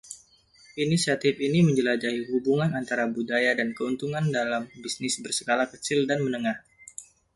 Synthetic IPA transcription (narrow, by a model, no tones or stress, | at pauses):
inisiat̪ɪfiniməɲd͡ʒəlad͡ʒaiɦubuŋanant̪aɾabudajadankəunt̪uŋandalambisnɪsbərsəɡalakət͡ʃɪldanmənəŋah